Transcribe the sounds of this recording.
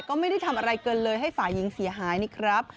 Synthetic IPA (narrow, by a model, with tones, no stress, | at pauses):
kɔː˥˩ma˥˩jda˥˩jt̪ʰmʔa˧ɾa˧jkɤː˧nlɤː˧jɦa˥˩jfaː˨˩ji˨˩˦ŋsi˨˩˦ɐɦaː˩˦jni˦˥kʰɾa˦˥p̚